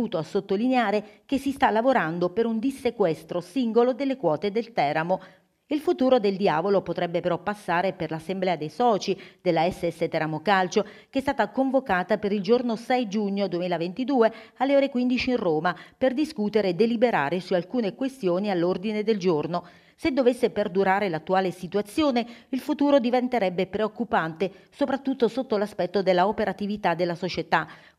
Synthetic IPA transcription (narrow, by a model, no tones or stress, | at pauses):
uːt̪oasːot̪ːolineaːɾek̟esːist̪alːavoɾand̪opeɾund̪isːekwɛst̪ɾosiŋɡolod̪elːekwɔːt̪ed̪elt̪ɛɾamo | ilfut̪uːɾod̪eld̪jaːvolopot̪ɾɛbːepeɾɔpːasːaːɾeperlasːemblɛːad̪ejsɔːt͡ʃid̪̥elːaɛsːɛsːet̪ɛɾamokalt͡ʃo | keɛst̪aːt̪akoɱvokaːt̪apeɾild͡ʒornosɛjd͡ʒuɲːod̪uemiːlavent̪id̪uːealːeoːɾekwind̪it͡ʃiirroːmaperd̪iskuːt̪eɾeːd̪ːelibeɾa̰ːɾesualkuːnekwest̪joːnialːord̪ined̪eld͡ʒorno | sed̪ːovesːeperd̪uɾaːɾelat̪ːuaːlesit̪uat̪sːjoːneilfut̪uːɾod̪ivent̪eɾɛbːepɾeokːupant̪esopɾat̪ːut̪ːosot̪ːolaspɛt̪ːod̪elːaopeɾat̪ivit̪ad̪ːelːasot͡ʃet̪a